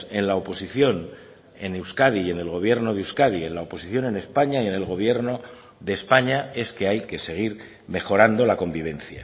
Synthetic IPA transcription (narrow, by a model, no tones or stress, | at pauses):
e̞nlaopo̞siθjo̞n | e̞newskaðie̞ne̞lɣo̞β̞je̞ɾno̞ðewskaðie̞nlao̞po̞siθjo̞ne̞ne̞spaɲaie̞ne̞lɣo̞βje̞ɾno̞ | ðe̞ːspaɲae̞ske̞ajke̞se̞ɣ̞iɾ | me̞xo̞ɾand̪o̞lako̞mbiβ̞e̞nθja